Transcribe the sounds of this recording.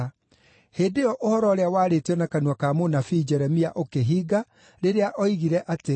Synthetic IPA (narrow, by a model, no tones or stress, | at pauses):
heːdeɔʔohɔɾɔɾeawaːɾetiɔnakanuwakamonafid͡ʒɛɾɛmiaʔokeɦiːɡa | ɾeɾeaʔɔiɣiɾɛʔate